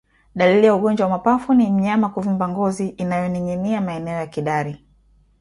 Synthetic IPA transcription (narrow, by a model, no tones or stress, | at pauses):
ɗalilijauɠɔɲd͡ʒwawamapafunim̩ɲamakuvimbaŋɡɔziʔːnajɔniɲɛniamaɛnɛɔjakiɗaɾi